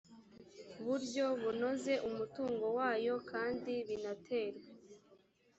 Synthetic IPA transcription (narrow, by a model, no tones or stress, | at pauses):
βuɾɟo̞βuno̞ze̞ʔumutuːŋɡo̞waːjo̞kaːndiβinatʰe̞ːɾwe